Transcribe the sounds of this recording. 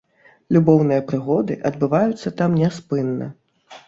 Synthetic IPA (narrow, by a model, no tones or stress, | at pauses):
lʲubɔwnɨjɐpɾɨɣɔd̪ɨʔɐd̪bɨvajut̪sːɐt̪amnʲɛspɨnːɐ̰